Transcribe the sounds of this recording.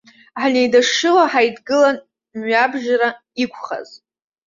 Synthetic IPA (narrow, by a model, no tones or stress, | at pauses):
ħnejdaʂɨlaħajdɡɨlan | mɥabʒɾa | ikʷʰχa̰z